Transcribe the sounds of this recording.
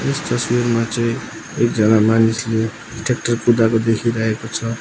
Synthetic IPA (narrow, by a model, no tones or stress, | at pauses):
est̪ʌswirmat͡sʌĩ | ekd͡zʌnamanisle | ʈʰek̚ʈʌrpud̪akod̪ekʰiɾʌɦekot͡sʰʌ